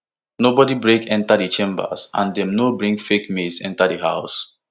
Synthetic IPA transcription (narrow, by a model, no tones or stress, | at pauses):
nobɔdibɹekɛ̃ntadit͡ʃẽmbə̰sʔã̰ndɛ̃mnobɹĩŋkfekmesɛ̰̃ntadəɦaʊs